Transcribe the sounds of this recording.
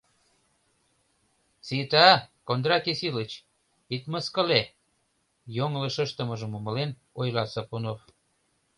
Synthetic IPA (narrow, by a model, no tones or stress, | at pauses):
t͡sit̪ɑkond̪ɾɑkesilət͡ɕ | it̪məskə̆le | joŋləʃəʃt̪ə̆məʒə̆məmə̆len | ojlɑsəpunof